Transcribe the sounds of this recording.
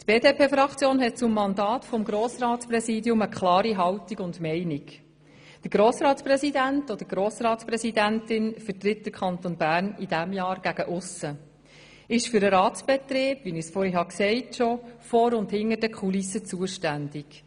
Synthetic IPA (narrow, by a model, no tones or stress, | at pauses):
t̪b̥eːdeːpʰeːfɾɑkt͡sjoːnɦɛt̚t͡sʊmːɑndɑːtfɔmɡɾoːsɾɑːtsprɛsiːdiʊməkʰlɑːɾiɦɑwtiɡʊndmɛɪniɡ | d̥əɾɡ̥ɾoːsɾɑːtsprɛsidæntɔd̥̪əɾɡɾoːsrɑːtspɾɛsidæntɪnfəɾtɾɪt̚d̥əɾkʰɑntonbæːɾnid̥æmjɑːɾɡ̥æɡ̥əʔʊsə | ɪʃfʏɾəɾɑːtsb̥ɛt̪ɾeːb̥ʋinɪsfɔɾiɦɑksɛɪtʃɔfɔːɾʊndhɪŋːəɾdɛkχulisːət͡suəʃtændɪɡ̥